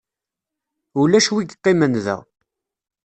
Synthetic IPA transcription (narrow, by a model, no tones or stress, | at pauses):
ulæʃwiɡqːimənðæ̰